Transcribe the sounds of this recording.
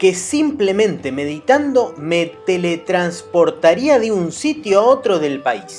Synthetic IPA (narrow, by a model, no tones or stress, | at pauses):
kesimplemẽ̞nt̪eme̞ðit̪and̪o̞met̪elet̪ɾanspoɾt̪aɾiaðeunsit̪joaot̪ɾoðelpais